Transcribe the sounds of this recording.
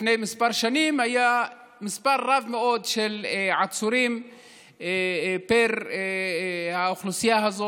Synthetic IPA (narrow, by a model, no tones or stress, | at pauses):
nejmispaʁʃanimhaja | mispaɾːavmeo̞d̪ʃelʕat͡suɾim | peɾ | hauχlusijaɦazo